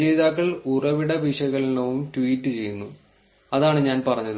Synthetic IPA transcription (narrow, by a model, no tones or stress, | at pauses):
d͡ʑejðaːkːɐɭurɐʋiɽɐʋiʂɐɣɐɭinɐʋumtʋiːtːɨt͡ɕe̞jːunːu | ɐðaːɳɨɲaːnpɐrɐɲːɐðɨ